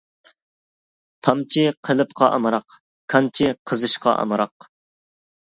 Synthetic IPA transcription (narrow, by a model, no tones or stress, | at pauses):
t̪ʰɑmt͡ʃʰiqʰəlɨp̚qʰɑʔɑ̰mɨɾɑq | kʰɑnt͡ʃʰiqʰəzɨʃqɑ̰ʔɑ̰mɨɾɑq